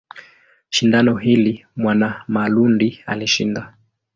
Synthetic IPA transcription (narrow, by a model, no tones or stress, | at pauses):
ʃindanɔɦilimwanamalundia̰liʃḭnda